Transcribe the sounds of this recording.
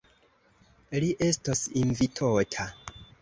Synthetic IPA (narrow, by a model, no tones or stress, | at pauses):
liʔe̞stosinvitʰotʰa